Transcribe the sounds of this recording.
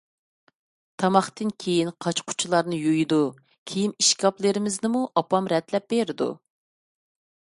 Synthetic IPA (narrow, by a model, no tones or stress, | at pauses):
t̪ʰɑmɑχt̪ɨnkʲʰejinqʰɑt͡ʃqʰʊ̥t͡ʃʰulˠɑɾnɨjujd̪u | kʲʰejiniʃkʲɑplˠɨɾɪmɪznɪmuʔɑpɑmɾɛt̪lɛp̚beɾɪd̪ṵ